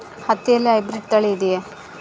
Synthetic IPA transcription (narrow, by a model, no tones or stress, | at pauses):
hɐt̪ːijɐlːiɐjbɾiɖ̚t̪ɐɭeːd̪ije